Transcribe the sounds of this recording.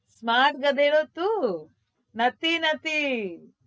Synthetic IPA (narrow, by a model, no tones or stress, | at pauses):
smaːʈ̚ɡɐd̪eːɽoːt̪ːu | nɐt̪inɐt̪i